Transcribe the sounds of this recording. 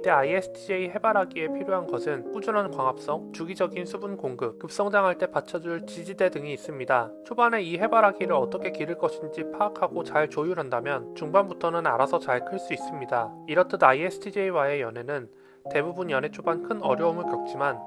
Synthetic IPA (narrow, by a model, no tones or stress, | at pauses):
it͈e̞aiesʰɯ̥tʰid͡ʑe̞iɦe̞baɾɦaɡie̞pʰiɾjoɦanɡʌsʰɯnp͈ud͡ʑunɦankwaŋɦap̚s͈ʌŋt͡ɕuɡid͡ʑʌɡinsʰubunkoŋɡɯp̚kɯp̚s͈ʌŋd͡ʑaŋɦaɭt͈e̞pat͡ɕʰʌd͡ʑuɭt͡ɕid͡ʑide̞dɯŋiːs͈ɯmɲidat͡ɕʰobane̞iɦe̞baɾɦaɡiɾɯɾʌt͈ʌkʰe̞kiɾɯɭk͈ʌɕʰind͡ʑipʰaːkʰaɡot͡ɕaɭt͡ɕojuɾɦandamjʌnt͡ɕuŋbanbutʰʌnɯnaɾasʰʌt͡ɕaɭkʰɯɭs͈uis͈ɯmɲidaiɾʌtʰɯnaiesʰɯ̥tʰid͡ʑeiwae̞jʌnɦe̞nɯn | te̞bubunjʌne̞t͡ɕʰobankʰɯnʌ̰ɾjʌumɯɭkjʌk̚t͡ɕ͈iman